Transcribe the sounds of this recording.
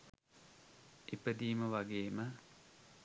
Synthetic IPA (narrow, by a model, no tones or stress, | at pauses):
epəd̪iːməʋaɡeːmə